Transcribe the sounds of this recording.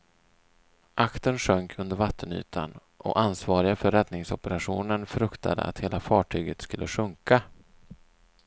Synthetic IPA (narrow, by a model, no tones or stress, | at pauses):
ʔakt̪ənʂœŋkʰɵnd̪əɾvat̪ʰːəny̰ːt̪ʰa̰n | ʔɔ̰ʔansvɑːɾɪɡafœɾːɛd̪nɪŋsɔpəɾaɧuːnənfɾɵkt̪ʰa̰d̪ə̰ʔa̰t̪heːlafɑːʈʰyːɡət̪skɵlːəɧɵŋka